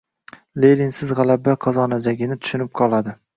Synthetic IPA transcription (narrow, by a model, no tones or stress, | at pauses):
lejlinsɪzʁɑlabaqʰɒzɒnad͡ʒaɡʲɪnɪt̪ʰʊ̥ʃʊnɪp̚qʰɒlˠad̪ɪ